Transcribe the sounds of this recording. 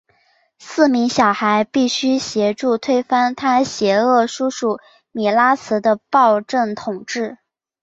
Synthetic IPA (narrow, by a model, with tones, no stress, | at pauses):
sɹ̩˥˩mi˧˥ŋɕjɑ˨˩ʊxa˧˥ɪpi˥˩ɕy˥ɕjɛ˧˥ʈ͡ʂu˥˧t̪ʰwe˥ɪfa˥nt̪ʰa˥ɕjɛ˧˥ɤ˥˩ʂu˥ʂu˨˩˦ | mi˨˩la˥t͡sʰɹ̩˧˥d̪ə˧pɑ˥˧ʊʈ͡ʂə˥˩ŋt̪ʰʊ˨˩ŋʈ͡ʂɻ̩˥˩